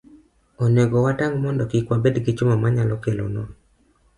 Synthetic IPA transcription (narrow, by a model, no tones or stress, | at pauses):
ɔneɡɔwataŋmɔndɔkikwabedɡɪt͡ʃʊmamaɲalɔkelo̰nɔ